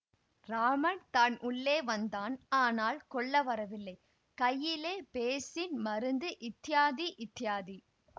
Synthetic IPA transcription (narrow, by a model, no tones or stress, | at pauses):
ɾaːmɐɳt̪aːnʔʊɭːeːʋɐnd̪aːnaːnaːlkɔɭːɐʋɐɾɐʋɪlːɐɪ | kɐjːɪleːpeːsɪnmɐɾɯnd̪ɯʔɪt̪ːɪjaːðiʔɪt̪ːɪjaːði